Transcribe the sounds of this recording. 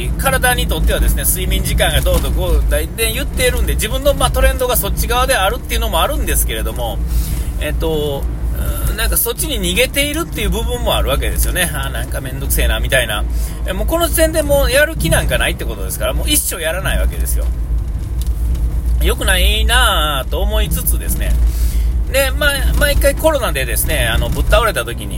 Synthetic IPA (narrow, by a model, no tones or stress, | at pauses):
kaɾad̪aɲ̟it̪o̞t̪ːe̞ad̪e̞sɨne̞sɨimʲĩɲ̟d͡ʑikãŋɡad̪o̞ːd̪oɡod̪aid̪ẽjɯ̟t̪ːe̞ɾɯ̟̃nd̪e̞d͡ʑibɯ̟̃nːo̞maːt̪o̞ɾẽ̞nd̪o̞ɡaso̞t͡ɕːiɡaβad̪e̞aɾɯ̟t̪ːe̞iɯ̟no̞mo̞aɾɯ̟̃nd̪e̞sɨ̥ke̞ɾe̞d̪o̞mo̞ | e̞t̪ːõ̞ | nãŋkaso̞t͡ɕːiɲ̟iɲ̟iɡe̞t̪e̞iɾɯ̟t̪ːe̞jɯ̟ːbɯ̟bɯ̟̃mːo̞aɾɯ̟βak̬e̞d̪e̞sɨjo̞ne̞anãŋkamẽ̞nd̪o̞kɯ̟se̞ːnaːmʲit̪aina̰emo̞ːko̞no̞ʑit̪ẽ̞nd̪e̞mo̞ːjaɾɯ̟kʲinãŋkanait̪ːe̞ko̞t̪o̞d̪e̞sɨ̥kaɾamo̞ːiɕːo̞ːjaɾanaiβ̞ake̞̰d̪e̞sɨjo̞̰ | jo̞kɯ̟nainaːt̪o̞ːmo̞it͡sɨt͡sɨd̪e̞sɨne̞̰ | ne̞mamaːikːaiko̞ɾo̞nad̪e̞d̪e̞sɨne̞ano̞bɯ̟t̪ːaoɾe̞t̪at̪o̞kʲiɲ̟ḭ